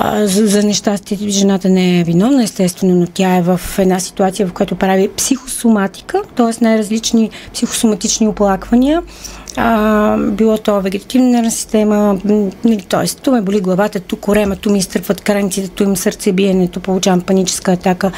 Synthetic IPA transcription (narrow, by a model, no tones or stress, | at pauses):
zɐnɛʃt̪ast̪ʲit̪ʒɛnat̪ənɛɛvinɔvnəɛst̪ɛst̪vɛnonot̪ʲaɛvəfɛd̪nasi̥t̪uat̪sijəvɐfkojat̪opɾavipsixosomat̪i̥kət̪ɔɛsnajɾɐzlit͡ʃnipsixo̥sʊmɐt̪it͡ʃnioplˠakvɐniə | əbilˠɔt̪ɔvɛɡʲɛt̪ɐ̥t̪ivnənaɾvnəsi̥st̪ɛmənɐlit̪ɔɛst̪umɛboliɡlˠɐvat̪ət̪ukːʊɾɛmət̪umist̪ɤɾpvət̪kɾanit̪sit̪ɛt̪uimsəɾt̪sɛbiɛnɛt̪opolˠut͡ʃavəmpɐnit͡ʃɛ̥skəːt̪akə